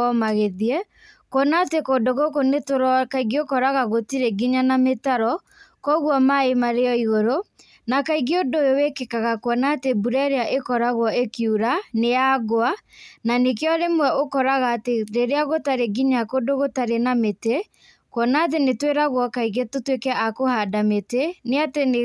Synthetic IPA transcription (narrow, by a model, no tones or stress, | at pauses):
ɔmaɣeðiɛ | kwɔnatekodoɣokonetoɾɔkaiɡeokɔɾaɣaɣotiɾeɡiɲanametaɾɔ | kɔɣwɔmaemaɾeɔiɣoɾo | nakaiɣeodojowekekaɣakoɔnaːtebuɾɛɾeaʔekɔɾaɣwɔekiuɾanejaɣoananekjɔɾemwɛokɔɾaɣaːteɾeɾeaɣotaɾeɡiɲakodoɣotaɾenamete | kwɔnat̬enetweɾaɣwɔkaiɣetotwekɛʔakohadameteneatene